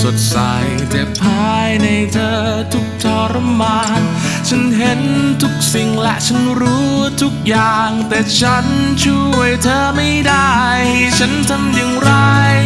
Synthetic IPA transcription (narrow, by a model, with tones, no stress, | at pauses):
so˨˩t̚sa̰˧˩jt͡ɕɛː˨˩ppʰːaː˧jna˧jt̪ʰəː˧˩t̪ʰu˦˥k̚t̪ʰɔː˧˩ɾmaː˧n | t͡ɕʰə˦˥nɦe˧˥nt̪ʰu˦˥k̚si˨˩ŋlɛ̰˧˨ʔt͡ɕʰə˦˥nɾu˧˥t̪ʰu˦˥k̚jaː˨˩ŋt̪ɛː˨˩t͡ɕʰa˦˥nt͡ɕʰu˧əjt̪ʰəː˧˩ma˧˥˩jda˥˧˩jt͡ɕʰə˧˦˥nt̪ʰa˧mzɨ˨˧ŋɾa˧˩j